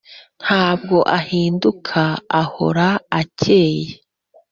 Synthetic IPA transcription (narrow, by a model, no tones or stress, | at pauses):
n̥haːb̚ɡo̞ʔahiːndukʰaːho̞̰ɾaace̞ːje